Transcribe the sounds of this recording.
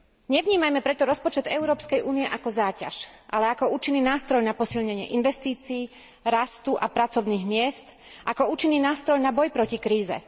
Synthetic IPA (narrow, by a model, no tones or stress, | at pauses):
ɲɛʋɲiːmajmɛpɾɛt̪ɔɾɔspɔt͡ʃɛd̪ɛʊɾɔːpskɛjʔuːniɛʔakɔzaːca̰ʃʔa̰lɛakɔuːt͡ʃinːiːnaːst̪ɾɔjnapɔsilɲɛɲɪɛ̰ʔinʋɛst̪iːt͡siː | ɾast̪uʔapɾat͡sɔʊniːɣmɪɛst̪ | ʔakɔuːt͡ʃinːiːnaːst̪ɾɔjnabɔjpɾɔcikɾiːzɛ̰